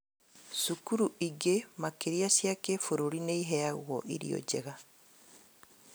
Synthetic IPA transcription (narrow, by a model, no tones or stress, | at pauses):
sukuɾuʔiɡemakeɾiasjakefoɾoɾineiɦɛaɣwɔʔiɾḭo̰ɟḛɣa